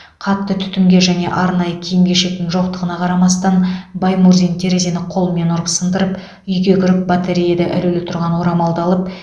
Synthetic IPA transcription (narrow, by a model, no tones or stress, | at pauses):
qʰɑt̪ːət̪ʰʏ̥t̪ɪmɡʲe̞ʒæne̞̰ʔɑɾnɑjəkʲʰejɪmɡʲe̞ʃe̞k̚t̪ɪŋʒo̞qt̪əʁənɑqʰɑɾɑmɑst̪ɑnbɑjmuɾzʲint̪ʰe̞ɾezenɪqʰo̞lˠme̞noɾqə̥sənd̪əɾəp | ʏjɡʲe̞kʲʰʏɾɪp̚bat̪ʰeɾijed̪eʔɪ̰lylɪt̪ʰʊɾʁɑnwo̞ɾɑmɑlˠd̪ɑlˠəp̚